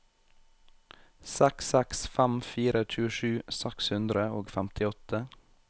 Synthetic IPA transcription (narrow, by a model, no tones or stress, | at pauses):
sɛksɛksfæmfiːɾət̪ʰʉːəʃʉːsækshʉnd̪ɾəoːɡfæmt̪ʰɪɔt̪ə